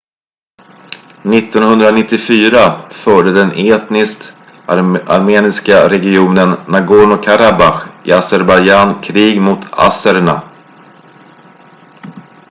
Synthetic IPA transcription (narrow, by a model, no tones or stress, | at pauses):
nɪt̪ːɔnhɵnd̪ɾanɪt̪ːɪfyːɾafœːɖəd̪ɛnʔeːt̪nɪskt̪ | a̰ɾmeːnɪskaɾɛɡɪuːnənːaɡoɳʊkʰaɾabaxɪasɛɾbajd͡ʒankʰɾiːɡmʊt̪ʰa̰səɾɳa̰